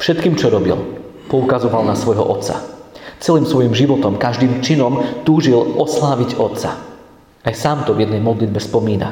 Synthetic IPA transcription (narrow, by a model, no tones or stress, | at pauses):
fʃɛt̪kiːmt͡ʃɔɾɔbḭl | pɔukazɔʋalnasʋɔjɦɔ̰ʔɔt̪t͡sa̰t͡sɛliːmsʋɔjimʒiʋɔt̪ɔmkaʒd̪iːmt͡ʃinɔmt̪uːʒilɔslaːʋiɟɔt̪t͡sa | ajsaːmt̪ɔvjɛd̪nɛjmɔd̪lid̪bɛspɔmiːna̰